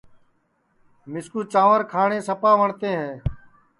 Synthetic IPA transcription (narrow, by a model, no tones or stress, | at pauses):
mɪskuːt͡ʃaːʋəɾkʰaːɳẽːsəpaːʋəɳt̪ẽːɦɛː